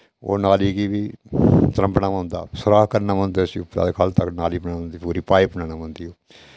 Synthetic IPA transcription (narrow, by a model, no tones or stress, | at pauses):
o̰ːnaːliːɡiːʋiːt̪əɾə̃mpnaːmə̃ːnd̪a̰ːsəɾaːkəɾnaːmə̃ːnd̪eːsiupa̰d̪ekʰalt̪əknaːliːpənãːmə̃nd̪iːpuːɾiːpaːipənaːnãːmə̃nd̪iːoː